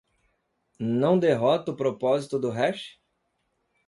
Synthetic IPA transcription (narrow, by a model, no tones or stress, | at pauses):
nɐ̃w̃d̪eɦɔt̪ɐʊpɾopɔzit̪ʊd̪ʊɦɛʃ